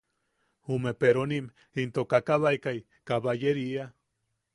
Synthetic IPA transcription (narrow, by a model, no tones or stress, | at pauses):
humepeɾonim | int̪okakaβajkaj | kaβajeɾia